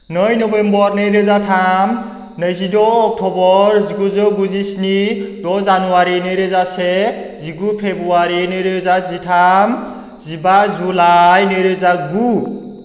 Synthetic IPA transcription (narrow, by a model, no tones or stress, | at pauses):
nɔjnɔbembɔɾnɯjɾezatʰam | nəjzidɔːk̚tʰɔbɔɾziɡuzɔɡuzisnidɔzanuwaɾinɯɾezaseziɡupʰebɾuaɾinɯjɾezazitʰam | zibazulajnɯjɾezaɡu